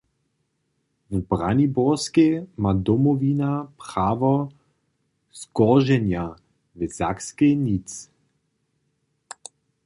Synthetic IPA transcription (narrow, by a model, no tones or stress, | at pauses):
vubɾanibɔskemad̪ɔmɔvinapɾaːvɔ | z̥ɡ̥ɔʁʒɛnja | vɛz̥akskenit͡s